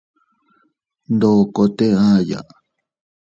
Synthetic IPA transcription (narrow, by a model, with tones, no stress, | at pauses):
nd̪o˧˨ko˧t̪e˦ã˦ja̰˨